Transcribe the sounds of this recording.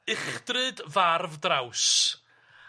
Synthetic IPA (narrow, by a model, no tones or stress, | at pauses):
ɪχd̥rɨdvarvdraws